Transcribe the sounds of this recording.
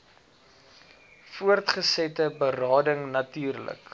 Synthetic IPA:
fuərtχəsɛtəbərɑːdəŋnɐtyːrlə̰k

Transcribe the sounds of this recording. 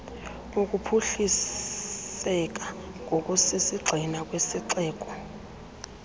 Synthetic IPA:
uk̬ʼupʰuɬis | ɛk̬ʼa | ŋʱok̬ʼusisiɡ͡ǀʱinak̬ʼwesiǀɛːk̬ʼɔ

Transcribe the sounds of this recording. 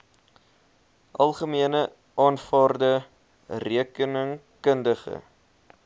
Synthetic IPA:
ʔɐlˠχəmiənə | ʔɑːnfɑːrdə | riəkənəŋ | kəndəχə̰

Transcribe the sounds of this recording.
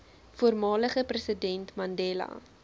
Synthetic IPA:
fuərmɑːləχəprəsədɛntmɐndɛlɐ̰

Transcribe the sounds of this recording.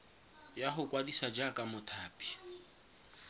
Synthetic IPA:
jaɦʊkʼwadisad͡ʒakʼamʊtʰaːpʼi̥

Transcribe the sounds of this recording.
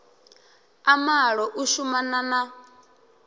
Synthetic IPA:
amaɺɔʔuʃumanana

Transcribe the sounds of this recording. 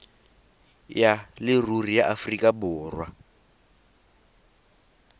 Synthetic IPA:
jalɪrurijaʔafrikʼabʊːrwa

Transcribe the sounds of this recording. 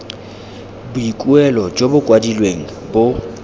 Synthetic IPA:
bʊikʼuɛlɔd͡ʒobʊkʼwadilweŋ̩ | bʊ

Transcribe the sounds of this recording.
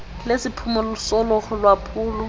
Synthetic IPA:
lesɪpʰumɔlʊsɔlɔχɔlwapʰuːlɔ

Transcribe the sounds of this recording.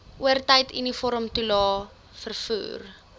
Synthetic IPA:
ʔuərtəjtʰḭnifɔɾəmtulɑː | fərfṵːr

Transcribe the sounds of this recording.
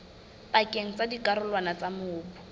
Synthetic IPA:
pakʼeŋ̩t͡sadikaɾʊlwanat͡samʊːpʊ̥

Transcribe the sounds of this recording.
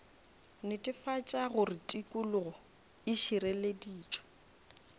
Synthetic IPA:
nɪtʼɪfat͡ʃʼaɣʊrɪtʼikʼulʊɣɔ | ɪʃiɾɛlediːt͡ʃʼwḁ

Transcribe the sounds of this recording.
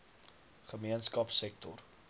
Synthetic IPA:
χəmiənskɐpsɛk̚tɔr

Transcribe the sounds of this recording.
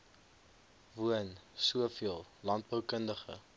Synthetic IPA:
vuənsuəfiəlˠlɐnt̚bəwkəndəχə̰

